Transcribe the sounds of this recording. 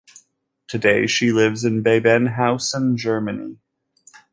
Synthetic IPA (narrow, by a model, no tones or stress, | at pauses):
tʰɨdeɪʃilɪvzɨ̃nbeɪbɛ̃nɦaʊsə̃nd͡ʒɜ˞mɨnḭ